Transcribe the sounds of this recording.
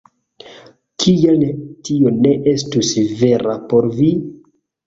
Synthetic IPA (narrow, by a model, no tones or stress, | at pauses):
kʰijaltione̞ʔe̞stusve̞ɾapo̞ɾvi